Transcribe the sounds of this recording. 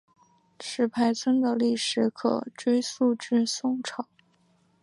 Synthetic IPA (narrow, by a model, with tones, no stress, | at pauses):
ʈ͡ʂʰɻ̩˨˩pʰa˧˥ɪt͡sʰwə˥nd̪ə˨li˥˩ʂɻ̩˧˥kʰɤ̰˨˩ʈ͡ʂwe˥ɪsu˥˧ʈ͡ʂɻ̩˥˧sʊ˥˩ŋʈ͡ʂʰɑ˨˩˦